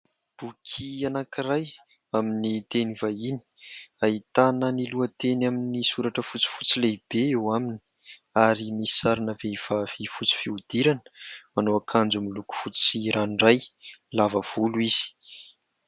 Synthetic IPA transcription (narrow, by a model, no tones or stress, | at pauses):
b̥ukʰianakiɾaj | aminit̪enivaini̥ait̪anəniluət̪enaminisuɾaʈ͡ʂəfut͡si̥fut͡sileb̥eewamini̥ | aɾimisi̥saɾinəveiv̥afifut͡si̥fiud̪̥iɾanə̥manoakʰand͡zumiluku̥fut͡si̥siɾanrajlavəv̥uluiz̥i̥